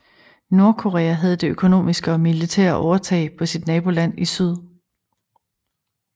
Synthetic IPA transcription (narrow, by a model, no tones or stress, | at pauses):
no̝ɐkʰo̝ʁɛːæɦæð̞̩ˠd̥e̝økʰo̝no̝̰ːmisɡ̥əɒ̽milit͡sʰɛ̰ɐ̰ʔɒʊɐt͡sʰɛ̰ɪpʰɒ̽sid̥nɛːb̥o̝læn̰isyð̞ˠ